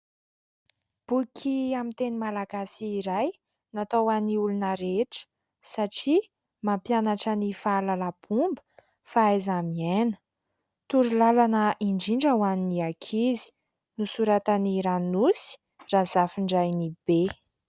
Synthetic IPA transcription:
b̥ukʲʰiamint̪enimalaɡasiːɾaj | nat̪owaniulunəɾeʈ͡ʂə̥ | saʈ͡ʂi | mampjanaʈ͡ʂənifalalapumbə | faajzamienə̥ | t̪uɾilalanəʔiɳɖ͡ʐiɳɖ͡ʐawaniniakʰizi̥ | nusuɾat̪əniɾanusi̥ | raz̥afiɳɖ͡ʐajnib̥e

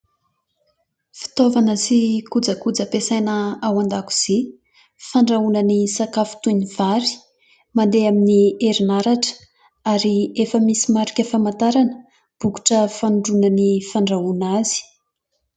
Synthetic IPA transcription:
fi̥t̪ovanəsikud͡zəkud͡zəpesajnəawand̪aku̥z̥i | faɳɖ͡ʐaunənisakafu̥t̪univ̥aɾi̥ | mand̪eaminieɾinaɾaʈ͡ʂə̥ | aɾiefəmisimaɾikʲəfamant̪aɾanə | b̥uku̥ʈ͡ʂəfanuɖ͡ʐunənifaɳɖ͡ʐaunaz̥i̥

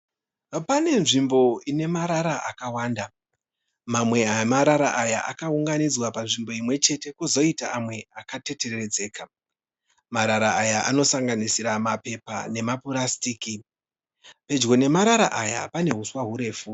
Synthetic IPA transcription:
pane̞nʐimbo̞ine̞maɾaɾaʔa̰kawaːnda | mamwe̞amaɾaɾa̰ʔajaʔa̰kauŋɡanid͡zwapanʐimbo̞imwe̞t͡ʃe̞te̞kuzo̞ita̰amwe̞akate̞te̞rred͡ze̞ːka | maɾaɾaajaʔano̞saŋɡanisiɾamape̞pa̰ne̞mapuɾastiːki | pe̞d͡ʒɡo̞ne̞maɾaɾa̰ʔaja̰pane̞ɦuswaɦuɾe̞ːfu

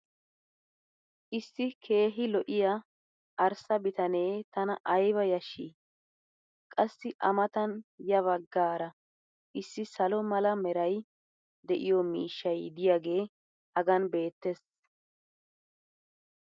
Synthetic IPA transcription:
ʔɪsːɪkʰe̞ːɦɪlɔʔɪjɐ | ʔɐɾsɐbɪt̪ɐne̞ːt̪ɐnɐʔɐjbɐjɐʃḭ | kʼɐsːɪʔɐ̰mɐt̪ɐnjɐβɐɡːaːɾɐ | ʔɪsːɪsɐlɔmɐlɐmɛɾɐj | d̪ɛʔɪjɔmḭːʃːɐjd̪ɪjaːɡe̞ː | hɐɡɐnbe̞ːt̪ːes

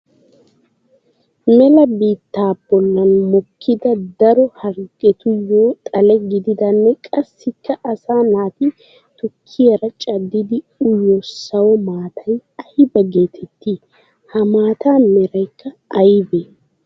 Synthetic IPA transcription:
mɛlɐbiːt̪ːaːbɔlːɐnmɔkʰːɪd̪ɐd̪ɐɾɔhɐɾkʼːɛt̪ʊjːoːt̪ʼɐlɛɡɪd̪ɪd̪ɐnːɛkʼɐsːɪkːɐʔɐsaːnaːt̪ɪ | t̪ʊkʰːɪɐɾɐt͡ʃʼɐd̪ːɪd̪ɪ | ʊjːɔsɐwɔmaːt̪ʰɐjɐhɪbɐɡe̞ːt̪ʰɛt̪ːiː | hɐmaːt̪ʰaːmɛɾɐjkːɐɐjbeː

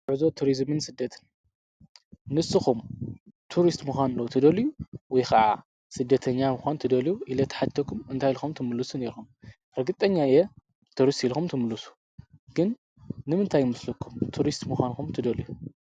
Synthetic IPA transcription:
ʕɨzot̪ʰuɾizmɨnsɨd̪ːɐt̪ʰɨ̥n | nɨsːɨxumt̪ʰuɾist̪mɨxʷanɨlːɐwt̪ʰɨd̪ɐljuwɔjxʰɐʕa̰ | sɨd̪ːɐt̪ʰɐɲːamɨxʷant̪ʰɨd̪ɐljuʔilɐt̪ʰħat̪ʰːɐkʰumɨnt̪ʰajlxumt̪ʰɨmɨlːɨsune̞ɾxum | ɾɐɡɨt̪ʼɐɲːaijɛ | t̪ʰuɾist̪ilxumt̪ʰɨmɨlːɨsu̥ | ɡ̥ɨnː | ɨmɨnt̪ʰajːmɨslukʰːumt̪ʰuɾist̪muxʷanxumt̪ʰɨd̪ɐliju

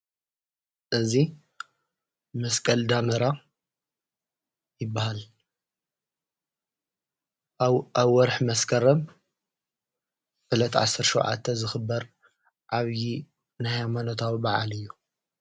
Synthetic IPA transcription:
ʔɨzi | mɐskʼɐld̪amɐɾa | jɪbːahal | aβwɔɾħmɐskʼʰɐɾɐm | ʔɨlɐt̪ʰʕa̰sːɐɾʃuwʕa̰t̪ʰːɐzɨxɨbːɐɾ | ʕaβji | nahamanot̪ʰawibaʕa̰lɨjːu

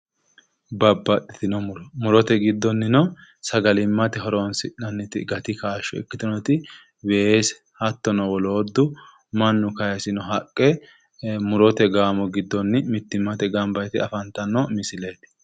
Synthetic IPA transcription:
bɐbːɐtːɪt̪ɪnɔmʊɾɔmʊɾɔt̪ɛɡɪd̪ːɔnːɪnɔsɐɡɐlɪmːɐt̪ɛɦɔɾonsɪɐnːɪt̪ɪɡɐt̪ɪkaːʃːɔɛ̰kːɪt̪ɪnɔt̪ɪ | wes | hɐt̪ːɔnɔwɔloːd̪ːʊ | mɐnːʊkɐjɐsɪnɔɦɐkʼːɛ | mʊɾɔt̪ɛɡaːmɔɡɪd̪ːɔnːɪmɪt̪ːɪmːɐt̪ɛɡɐmbɐjt̪ɪɐfɐnt̪ːɐnːɔmɪsɪle̞ːt̪

